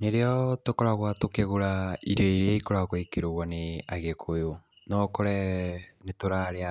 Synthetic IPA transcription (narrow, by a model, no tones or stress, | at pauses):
neɾeɔtokɔɾaɣwatokeɣoɾaiɾɔiɾeaikoɾaɣoikeɾoɣwaneaɣekʰojo | nɔkɔɾɛnetoɾaɾea